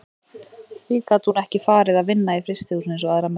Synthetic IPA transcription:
θviːkat̪hunɛhcɪfaːɾɪðaðvɪnːaifɾɪst̪ɪɣusnɪ̃ns̬ɔaðɾam

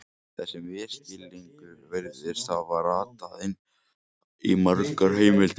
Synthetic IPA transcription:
θɛsːɪmɛ̥scɪlːiŋkʏɾvɛɾðɪɾ̥sθavaɾaːt̪aðɪn | ḭmaɾkaɾ̥ɦeːjmɪlt̪

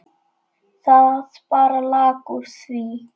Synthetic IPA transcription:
zaspʼaɾlakʼusi

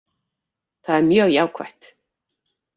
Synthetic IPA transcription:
θaðɛɾmjœːɣjaːwkʰva̰ht̪

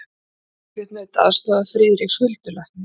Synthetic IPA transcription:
vɛt̪nœɥt̪a̰ðst̪aːðafɾɪːðɾikshʏlt̪ʏlajht̪ɪ

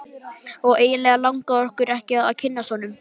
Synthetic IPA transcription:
ɔɣeːjɪlɛːɣalawŋkaɔr̥kʏɾɛhcɪaða̰wcʰɪnːasɔnʏm

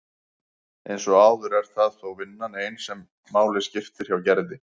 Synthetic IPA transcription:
ejnsɔɣaːwðʏɾɛɾ̥θaðθowvɪnːanejnsɛmː | aːwlɪscɪft̪ɪɾ̥çawcɛɾðɪ

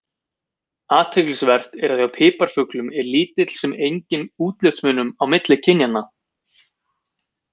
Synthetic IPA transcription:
aːt̪ʰɛklɪsvɛr̥t̪ɛɾaθjawpʰɪːpaɾ̥fʏklʏmɛɾliːt̪ɪt̪l̥sɛmejɲcɪnuːt̪lœft̪smʏnːʏmawmɪt̪lɪcʰɪnjanːa

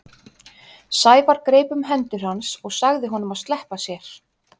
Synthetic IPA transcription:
saːjvaɾkɾeːjpʏmɦɛnt̪ʏɾ̥hansɔɣsaɣðɪɦɔnʏmaðst̪lɛhpasjɛɾ̥

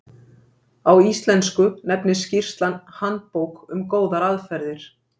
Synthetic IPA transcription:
awist̪lɛnskʏnɛpnɪ̥scir̥st̪lanhant̪̚powkʏmkoːwðaɾaðfɛɾðɪɾ̥

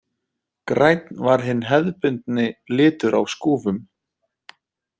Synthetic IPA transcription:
kɾajt̪nvaɾ̥ɦɪnːɦɛðpɪnt̪nɪlɪːt̪ʏɾa̰wskuːvʏm

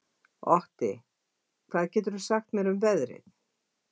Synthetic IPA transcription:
ɔht̪ɪ | kʰvaːðcɛːt̪ʏɾʏsaxt̪mjɛɾʏmvɛðɾɪ̰θ

